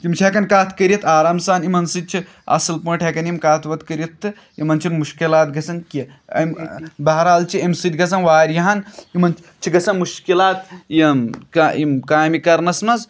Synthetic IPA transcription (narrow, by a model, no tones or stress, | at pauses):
kimt͡ʃʰekɐnkaːt̪ʰkəɾiɐt̪ʰaːɾaːmsaːnimɐnsɨd̪̚t͡ʃʰi | ɐ̰sɨlpɐːʈʰekɐnimkaːt̪ʰʋɐt̪kəɾʲjit̪ːɨ | imɐnt͡ʃʰinmuʃkilaːt̪̚ɡɐsɐnki | ɐ̰mbɐɦɾaːlt͡ʃʰiɐmsɨd̪ʲɡɐs̬ɐnʋaːɾjɐɦanimɐnt͡ʃʰ | t͡ʃʰiɡɐsɐnmuʃkilaːt̪̚jimaimkaːjmikɐɾnɐsmɐz